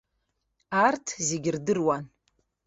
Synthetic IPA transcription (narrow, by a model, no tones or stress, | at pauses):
artʰzeɡʲɪrdɨrwan